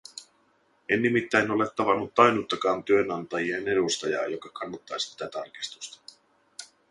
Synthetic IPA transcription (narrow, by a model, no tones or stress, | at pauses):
enːimit̪ːæjno̞le̞t̪ːɑʋɑnːut̪ːɑjnut̪ːɑkɑːnt̪yø̞nɑnt̪ɑjiene̞dust̪ɑjɑ̰ːjokɑkʰɑnːɑt̪ːɑːsit̪ːæt̪ɑrki̥st̪u̥st̪ɑ̥